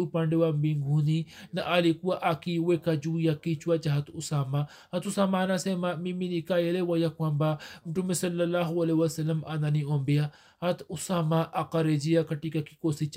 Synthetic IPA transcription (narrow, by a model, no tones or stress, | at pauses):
upaɳɖewambiŋɡʱuninaʔalikuwaʔakiwekad͡ʒujakit͡ʃuwat͡ʃaɦɐt̪usaːma | hɐt̪usaːmanasemamiminikajelewajakwambamʈumesɐlːɐlaːɦuɐlewɐsɐlːəmananiombeja | hɐt̪usaːmaʔaqɐɾed͡ʒijakɐʈikakikosit͡ʃ